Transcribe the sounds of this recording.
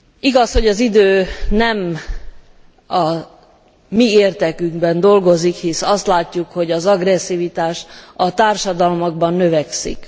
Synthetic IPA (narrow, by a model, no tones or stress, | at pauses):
iɡɒsho̞ɟɒzid̪øːnɛm | ɒ | mieːrt̪ɛkyŋɡbɛnd̪o̞lɡo̞zikhisɒst̪laːcːukho̞ɟɒzɒɡrɛsːivit̪aːʃɒt̪aːrʃɒd̪ɒlmoɡ̚bɒnːø̞vɛksḭk